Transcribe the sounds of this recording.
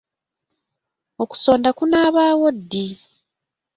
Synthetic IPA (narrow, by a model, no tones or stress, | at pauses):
o̞ku̥so̞ːndakunaːβaːwodːi